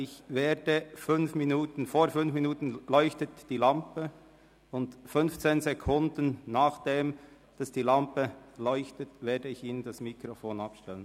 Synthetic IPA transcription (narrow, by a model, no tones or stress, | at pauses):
ɪçveːd̥əfʏnfminuːtən̩foːɾfʏnfminuːtən̩lɔʏçtətd̥iːlampə | ʊndfʏnft͡seːnzekʰʊndənːaːχd̥eːm | d̥asd̥iːlampəlɔʏçtətveːdəɪçiːnəndasmikɾofoːnapʃtɛlən